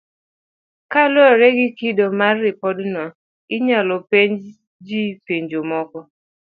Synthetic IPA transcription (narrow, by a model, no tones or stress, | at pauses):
kalɔɾɛɡɪkidomaːɪpɔdnɔ | ɪɲalɔpeɲ | d͡ʒipeɲd͡ʒomɔkɔ